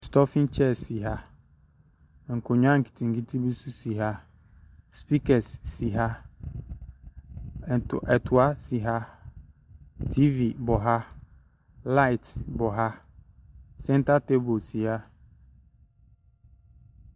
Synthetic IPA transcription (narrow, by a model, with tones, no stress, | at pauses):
stɔ˦fĩ˦nt͡ʃʰɛ˦˨si˨ɦa˦ | ŋ̩˨kʰo˨ɲʊ̃˦ã˦ŋ̩˨kʰi̥˨tʰĩ˨ŋ˨ki˦tʰi˦bi˦su˦si˨ɦa˦ | spi˦kɛ˨sːi˨ɦa˦˨ | ʔɛ˨tʰʊ˨a˦si˨ɦa˦ | tʰi˦vi˨bɔ˨ɦa˦ | la˦ɪ˨tbɔ˨ɦa˦ | sɛ̃˦n˦ta˦te˦bo˨si˨ha˦